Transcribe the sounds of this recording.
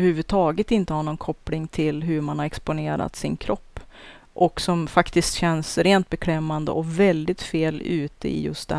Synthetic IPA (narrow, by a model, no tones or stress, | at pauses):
ɾhʉ̟ːvɵd̪̚t̪ʰɑːɡət̪ɪnt̪əhaɳɔnkʰɔpːlɪŋt̪ʰɪlɦɵɾmanhaɾɛkspʊneːɾa̰t̪sɪnkʰɾʔɔpː | ʔɔksɔmfakt̪ɪst̪ɕɛnsɾeːnt̪̚bɛkʰɾɛmːand̪ə̰ʔɔvɛld̪ɪt̪feːlʉ̟ːt̪ə̰ɪ̰jɵ̰st̪̚d̪ɛ